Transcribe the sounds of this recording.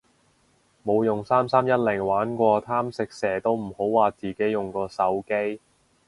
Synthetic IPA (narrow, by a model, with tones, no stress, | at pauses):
mo˨˧wjʊ˨ŋsaː˥msaː˥mjɐ˥t̚lɪ˨˩ŋwaː˨˥nkʷɔː˧t̪ʰaː˥msɪ˨k̚sɛː˨˩t̪o˥wm̩˨˩ho˨˥wwaː˨t͡siː˨ke˨˥jʊ˨ŋkɔː˧sɐ˨˥wke˥j